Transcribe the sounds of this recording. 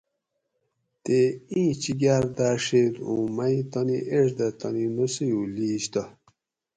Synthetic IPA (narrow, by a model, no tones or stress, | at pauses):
t̪eĩːt͡ɕiɡaɾd̪aːʂed̪ṵ̃majt̪ɔniʔeʂd̪ɐt̪ɐninusijuliːɕt̪a